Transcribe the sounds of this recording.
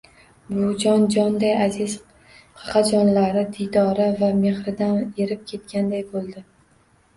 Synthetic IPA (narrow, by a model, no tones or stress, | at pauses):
bʊd͡ʒɒnd͡ʒɒnd̪ajazɪz | qʰɑ̥qʰɑd͡ʒɒnlaɾɪd̪ijd̪ɒɾɪvame̞χɾɪd̪aneɾɪp̚kʲʰe̞t̪kʲand̪ajbolˠd̪ɪ